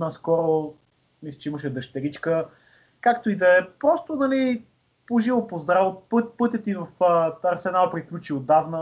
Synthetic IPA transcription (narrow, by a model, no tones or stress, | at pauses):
naskɔɾo | mislʲit͡ʃɛiməʃ̬ɛd̪əʃt̪ɛɾit͡ʃkə | kakt̪oid̪ɐɛpɾɔst̪onɐli | poʒivopozd̪ɾavpɤt̪pɤt̪ʲət̪ivɐfɐɾsɛnalˠpɾiklʲut͡ʃiod̪avnə